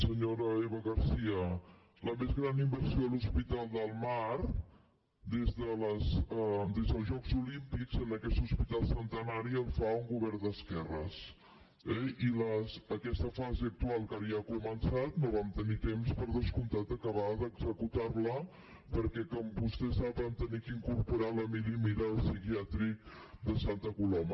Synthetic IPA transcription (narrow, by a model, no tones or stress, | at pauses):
səɲoɾəeβəɣəɾsiə | ləmezɣɾanimbəɾsioəluspit̪alˠd̪əlˠmaɾ | d̪ezðələsəd̪ezðəlˠzʒɔkzulimpikzənləkɛst̪uspit̪alˠsənt̪ənaɾiəlˠfauŋɡuβɛɾnd̪əskɛrəs | ɛiləsəkɛst̪əfazeək̚t̪ualˠkaβiəkumənsat̪noβamt̪ənit̪emspəɾðəskunt̪at̪əkəβaðəɡzəkut̪arlə | pəɾkɛkɔmbust̪ɛsaβənt̪ənikiŋkuɾpuɾaləmilimiɾəːlˠsikiat̪ɾik̚d̪əsant̪əkulɔmə